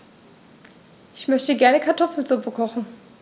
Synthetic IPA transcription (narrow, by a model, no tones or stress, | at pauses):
ʔɪçmœçtəɡɛɐnəkʰaɐtʰɔfl̩zʊpəkʰɔχn̩